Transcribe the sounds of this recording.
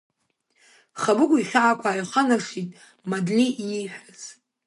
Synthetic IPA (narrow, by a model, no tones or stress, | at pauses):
χabɨkʷʼʊiχʲaʕakʷʰʼaːjqʰʼanaʂitʼ | madliʔːħʷᶣaz̥